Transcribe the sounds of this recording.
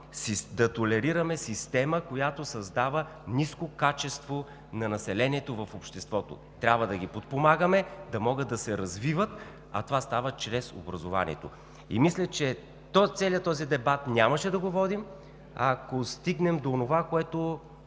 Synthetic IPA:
sid̪ɐt̪olɛɾiɾəmɛsist̪ɛməkojat̪osɐzd̪avə | niskokat͡ʃɛst̪vo | nɐnɐsɛlɛniɛt̪ovɐfopʃt̪ɛst̪vɔt̪o̰ | t̪ɾʲabvəd̪ɐɡʲipot̪̚pomaɡəmɛd̪ɐmɔɡəd̪ɐsɛɾɐzvivət̪ | ɐ̰t̪ovast̪avət͡ʃɾɛso̰bɾɐzova̰nḭɛ̰t̪o̰ | ḭmislʲət͡ʃɛ | t̪ɔt̪sɛliət̪ɔzid̪ɛbat̪nʲaməʃɛd̪ɐɡovɔd̪im | a̰kost̪iɡnɛmd̪oːnovakoɛt̪o

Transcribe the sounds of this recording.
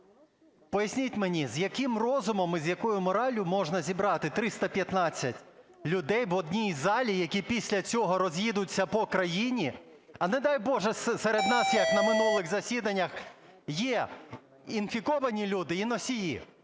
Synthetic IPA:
pɔjɐsʲnʲitʲmenʲizjɐkɪmrɔzʊmɔmizʲjɐkɔjʊmɔɾɑlʲjʊmɔʒnɐzʲibɾɑt̪ɪt̪ɾɪst̪ɐpʲjɐt̪nɑt͡sʲːɐtʲ | lʲʊd̪ɛjbɔd̪ʲnʲizɑlʲijɐkʲipʲisʲlʲɐt͡sʲɔɦɔɾɔzʲjid̪ʊt͡sʲːɐpɔkɾɐjinʲi | ɐned̪ɑjbɔʒɛsseɾed̪nɑsjɐknɐmɪnulˠɪɣzɐsʲid̪ɐnʲːɐx | jɛ | infʲikɔʋɐnʲilʲud̪ɪinɔsʲiji

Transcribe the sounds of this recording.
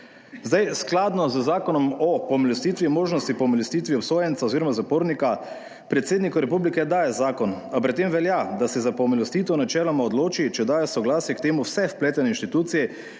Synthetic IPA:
zd̪ajsklaːd̪nɔzəzaːkɔnɔmɔpɔmɛlɔst̪iːt̪ʋimoːʒnɔst̪ipɔmɛlɔst̪iːt̪ʋiɔpsoːjɛnsaoziːɾɔmazapoːɾnika | pɾɛt̪seːd̪nikɔɾɛpublikɛd̪aːjɛzaːkɔnapɾɛt̪ːemʋɛljad̪asɛzapɔmɛlɔst̪iːt̪ɔnat͡ʃɛːlamaɔd̪loːt͡ʃit͡ʃɛd̪aːjɔsɔɡlaːsjɛkt̪eːmuwsɛfpleːt̪ɛnɛinʃt̪it̪uːt̪sijɛ

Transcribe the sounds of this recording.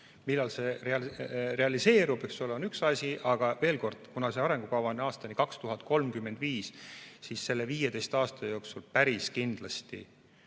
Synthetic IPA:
milːɑlse̞reɑre̞ɑlise̞ːɾub̥eksolːemɑnyksɑsʲiʔɑɡ̥ɑve̞ːlko̞rd̪̥kunɑseɑɾe̞ŋɡ̥ukɑwvɑnːeɑːst̪ɑnikɑkst̪uɦɑt̪̚ˑkʰo̞lmkymːe̞nd̪̥viːssisse̞lːe̞viːje̞d̪e̞jst̪ɑːst̪ɑjo̞ːksulpæɾiskind̪̥lɑst̪ḭ

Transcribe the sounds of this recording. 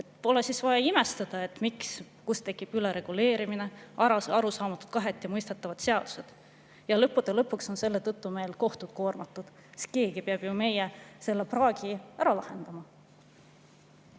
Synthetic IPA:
et̪ːˑpo̞lesisvɑjɑime̞st̪ɑd̪̥ɑe̞t̪ːˑmiks | kust̪e̞kˑːib̥yleɾe̞ɡ̥ule̞ːɾimineɑɾɑɑɾusɑːmɑt̪ːˑu̥d̪̥kɑɦet̪ːˑjɑmɤjst̪ɑt̪ːˑɑvɑd̪se̞ɑd̪̥u̥se̞d̪̥ | jɑlɤpːˑud̪̥elɤpːˑukso̞nse̞lːet̪ɤt̪ːume̞jlko̞ht̪ud̪̥̚ko̞ːrmɑt̪ːˑud̪̥ | i̥ske̞ːɡipeɑb̥jume̞jese̞lːeprɑːɡ̥iæɾɑlɑhe̞nd̪̥ɑmɑ

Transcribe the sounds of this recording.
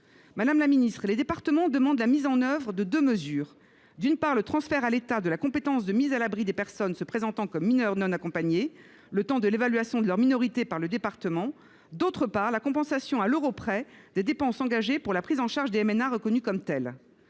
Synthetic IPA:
mad̪amlaminist̪χled̪epaʁt̪əmɑ̃d̪əmɑ̃d̪lamizɑ̃nœvʁəd̪əd̪øməzyːʁ | d̪ynpaʁlət̪χɑ̃sfɛʁalet̪ad̪əlakɔ̃pet̪ɑ̃sd̪əmizalabʁid̪epɛʁsɔnsəpχezɑ̃t̪ɑ̃kɔmːinœʁnɔnakɔ̃paɲe | lət̪ɑ̃d̪əlevalɥasjɔ̃d̪əlœʁminɔʁit̪epaʁləd̪epaʁt̪əmɑ̃ | d̪ot̪χəpaʁlakɔ̃pɑ̃sasjɔ̃aløʁopχɛd̪̥ed̪epɑ̃sɑ̃ɡaʒepuʁlapχizɑ̃ʃaʁʒd̪eɛmɛnaʁəkɔnykɔmt̪ɛl

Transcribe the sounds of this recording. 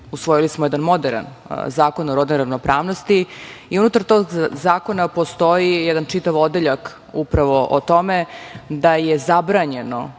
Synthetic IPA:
usʋojilismojed̪anmo̞d̪eɾa̰n | zaːko̞noɾod̪inɾavnopɾaːʋnost̪iiunut̪aɾt̪oɡzaːkonapost̪o̞ijɛd̪ant͡ʃit̪aʋod̪eʎak | upɾaʋo̞ʔo̰t̪o̞med̪ajezabɾaɲe̞no̰

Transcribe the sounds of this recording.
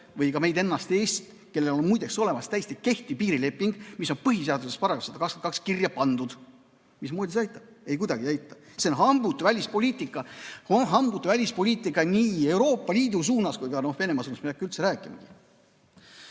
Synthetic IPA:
vɤjkɑme̞jd̪e̞nːɑst̪e̞ːst̪ | ke̞lːelo̞nmujd̪̥ekso̞le̞mɑst̪æjest̪ikːe̞ht̪ipiːɾile̞pːˑiŋɡ̥miso̞npɤɦise̞ɑd̪̥us̬e̞spɑɾɑkosɑd̪ɑkɑkskenkɑkskirjɑpɑnd̪̥ud̪̥ | mismoːd̪ʲisɑjt̪ːˑɑ̥ | ejkud̪ɑɡit̪æjt̪ːˑɑ̥ | seonɦɑmbut̪ːˑuvælʲispo̞lʲiːt̪ːˑikːˑɑhoɦɑmbut̪ːˑuvælʲispo̞lʲiːt̪ˑikːˑɑnʲiːe̞wɾo̞ːpːˑɑliːd̪̥us̬uːnɑskujɡɑno̞hve̞ne̞mɑːsuːnɑsmɑpɑkːylt̪se̞ɾæːkːˑimɑ̰ɡ̥i

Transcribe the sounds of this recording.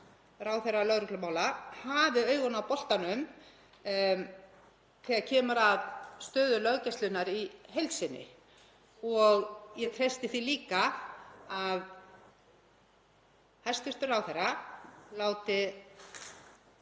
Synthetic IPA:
raːwθeralœɣɾʏklamaːwlahavɪœːɥɣɔnawpɔl̥t̪anʏm | kʰɛːɣaɾcʰɛːmʏɾaðst̪œːðʏlœɣcɛsʏnaɾiɦejlt̪sɪnːɪ̰ | ɔɣjɛt̪ʰɾest̪ɪθiliːka | að | hɛ̥st̪ʏst̪ʏrawθerːalaːwt̪ɪ

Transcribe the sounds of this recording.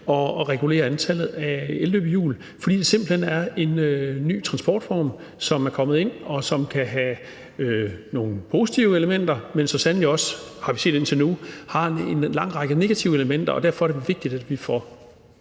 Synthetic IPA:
ɒ̽ʁɛɡ̥ule̝̰ːɐænt͡sʰælð̞̩ˠæelːø̰ːb̥ijṵːl | fɒdḭːd̥e̝se̝m̰b̥l̩henæɐe̝nøːy̰ːt͡sʰʁɑ̈nsb̥ɒ̰ːd̥fɒːm | sɒ̽mæɐkʰɒ̽mð̞̩ˠe̝n̰ɒ̽sɒ̽mkʰæɦæ | øno̝ːn̩pʰo̝sit͡sʰiʊeləmen̰d̥ɐmensɒ̽sænliɒ̽shɑ̈ʋise̝̰ːd̥e̝n̰t͡sʰe̝lnuhɑ̈enlɑ̈ŋ̰ʁɑ̈ɡ̥əne̝ɡ̥æt͡sʰiʊeləmen̰d̥ɐɒd̥æɐfɒæɐɾ̥eʋe̝ɡ̥̚d̥id̥æd̥ʋifɒ

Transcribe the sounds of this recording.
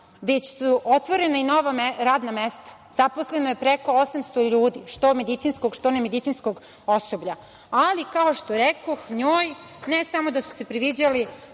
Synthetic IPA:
ʋet͡ɕsuot̪ʋo̞ɾe̞naino̞ʋaɾaːd̪namest̪ḁ | zapo̞sle̞noje̞pɾeko̞osamst̪o̞ʎuːd̪iʃt̪o̞me̞d̪it̪sinskoɡʃt̪onemed̪it̪sinsko̞ɡ | o̞sobʎa | alikao̞ʃt̪oɾekoxɲoːj | nesamo̞d̪asu̥se̞pɾiʋid͡ʑali

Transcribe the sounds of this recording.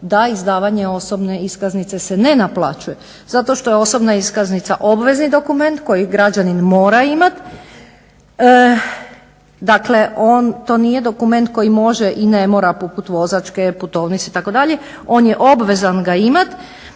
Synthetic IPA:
d̪aizd̪aːʋaɲeo̞so̞bneiskaznit̪sesenenaplˠa̰t͡ʃuje̞ | z̥at̪o̞ʃt̪o̞jeo̞so̞bnaiskaznit̪saʔo̞bʋe̞znid̪o̞kume̞nt̪ko̞jiɡɾad͡ʒaninmo̞ːɾaimat̪ | ə | d̪akle̞ʔoːnt̪o̞nije̞d̪o̞kume̞nt̪̚ko̞jimo̞ʒeʔinemo̞ːɾapoput̪ʋo̞zat͡ʃke̞put̪o̞ːʋnit̪seit̪ako̞d̪aʎe̞ | o̞ːnjeʔo̞bʋe̞zanɡaimat̪

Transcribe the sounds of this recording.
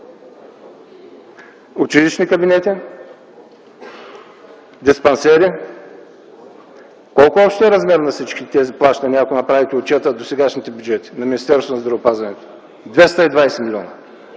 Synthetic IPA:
ʊt͡ʃizit͡ʃnikɐbinɛt̪i | d̪ɛspɐnsɛɾi | kɔlˠkʊɔpʃt̪ɛɛɾɐzmɛɾnɐsit͡ʃkʲit̪ɛziplˠaʃt̪ɐniakonɐpɾavik̪ʲot͡ʃɛt̪əd̪osɛɡaʃnit̪ɛbʲjud͡ʒɛt̪i̥nɐminist̪ɛɾsvonɐzɾɐvopazvɐnɛt̪o̥ | d̪vɛst̪əid̪vajsɛmilʲɔnə̰

